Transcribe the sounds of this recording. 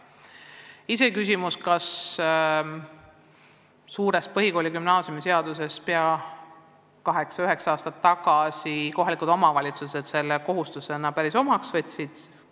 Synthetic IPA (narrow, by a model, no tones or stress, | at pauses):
ise̞kys̬ʲimuskɑs | uːɾe̞s̚pɤɦiko̞ːlikymnɑːsʲjumise̞ɑd̪̥use̞speɑ | kɑɦe̞ksɑyɦe̞ksɑɑːst̪ɑt̪ːɑɡ̥ɑsiko̞ɦɑlikud̪o̞mɑvɑlʲit̪suse̞d̪̥se̞lːeko̞ɦust̪use̞nɑpæɾiso̞mɑksvɤt̪ʲsid̪̥